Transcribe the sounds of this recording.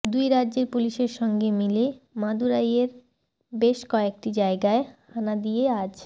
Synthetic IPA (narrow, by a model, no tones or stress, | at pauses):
d̪ujɾadːʑeɾpuliʃeɾʃɔŋɡemilemad̪uɾajeɾ | beʃkoek̚ʈid͡ʑaeɡaehanad̪ijead͡ʑ